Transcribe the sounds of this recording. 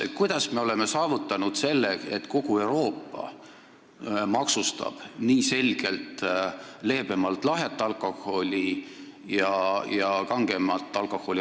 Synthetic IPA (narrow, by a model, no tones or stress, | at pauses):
kujd̪̥ɑsme̞o̞leme̞sɑːvut̪ːˑɑnud̪̥se̞lːeet̪ko̞ɡ̥ue̞wɾo̞ːpːˑɑ̰ | mɑksust̪ɑ̰b̥niːse̞lʲɡ̥e̞lt̪ | le̞ːbe̞mɑlt̪ːˑlɑɦet̪ːˑɑlko̞ho̞lʲijɑjɑkɑŋɡe̞mɑlt̪ˑːɑlko̞ho̞lʲi